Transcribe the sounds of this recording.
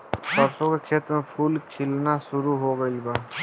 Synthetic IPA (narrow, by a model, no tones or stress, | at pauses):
pɐɾsõkekʰeːt̪ɾəmẽpʰuːlkʰɪlnaʃʊɾuɦoɡəibaː